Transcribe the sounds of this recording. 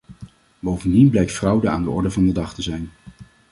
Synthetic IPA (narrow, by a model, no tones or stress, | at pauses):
bowvəndinblɛjk̚tfrɑwdəaːndəɔɹdəvɑndədɑχtəzɛjn